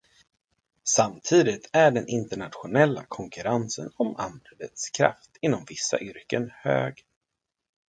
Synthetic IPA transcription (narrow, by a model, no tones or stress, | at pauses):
samt̪ʰiːd̪ɪt̪ʰæɖɛnɪnt̪əɳat̪ɧʊnɛlːa̰kʰɔŋkɵɾansə̰nɔma̰nd̪ɾəd̪ət̪skʰɾa̰ft̪ɪnːɔmvɪsːa̰ʔʏɾkənhø̰ːɡ